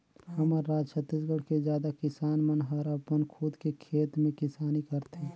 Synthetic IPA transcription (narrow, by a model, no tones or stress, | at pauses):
həməɾːaːd͡ʒt͡ʃʰət̪ːiːs̬ɡəɽ̤kezjaːd̪akɪsaːnmənɦəɾɐpənkʰud̪kekʰeːt̪mẽkɪsaːnikəɾt̪eː